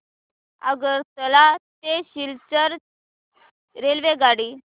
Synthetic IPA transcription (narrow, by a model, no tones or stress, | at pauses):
ə̰ɡəɾt̪əlat̪eɕilt͡ɕəɾ | ɾelʋeɡaɽiː